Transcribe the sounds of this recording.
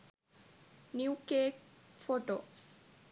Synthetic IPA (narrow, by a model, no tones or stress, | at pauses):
niukeːkfoʈo̰s